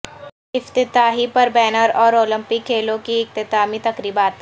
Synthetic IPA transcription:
ɪft̪ɪt̪aːɦipɐɾbɛːnəɾɔːɾoːlɪ̃mpɪkʰːeːlõkiɪk̚t̪ɪt̪aːmit̪ɐkɾiːbaːt̪

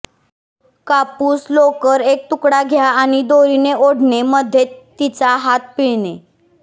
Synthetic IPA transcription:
kapuːslokəɾek̚t̪ukɽaɡʱjaːɽ̃id̪oɾineoɽneməd̪ʱjet̪ːit͡saɦat̪̚piɭne

